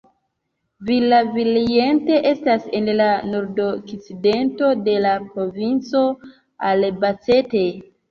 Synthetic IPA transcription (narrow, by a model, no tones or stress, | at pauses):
vilavilie̞nte̞ʔe̞stase̞nlanoɾdokt͡side̞nto̞de̞lapɾo̞vint͡so̞ | albat͡se̞te̞